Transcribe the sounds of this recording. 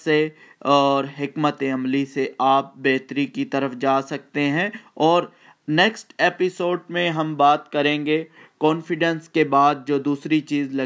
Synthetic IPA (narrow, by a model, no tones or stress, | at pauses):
se | ɔːɾɦɪkmət̪eɐmliseʔaːp̚beːt̪ɾikit̪ɐɾəfd͡ʒaːsɐk̚t̪eɦɛ̃ɔːɾ | neːksʈeːpɪsoːɖmẽɦɐmbaːt̪kɐɾẽːŋɡekɔ̃ːnfɪɖə̃nskebaːd̪̚d͡ʒoːd̪uːsɾit͡ʃiːzlɐ